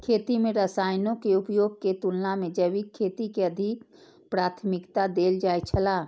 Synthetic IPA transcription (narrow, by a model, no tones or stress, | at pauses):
kʰet̪imeɾəsajnokeupjoːɡ̚ket̪ulnamed͡ʒəβikʰːet̪ikeəd̪ʱik | pɾat̪ʰmikt̪ad̪eld͡ʒajt͡ʃʰəla